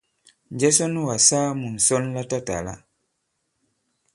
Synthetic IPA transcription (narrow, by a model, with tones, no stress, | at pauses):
ɲd͡ʒɛ˦sɔ˦nu˦wa˨saː˦mu˨n̩˨sɔ˦nla˦ta˦ta̰˨la̰˦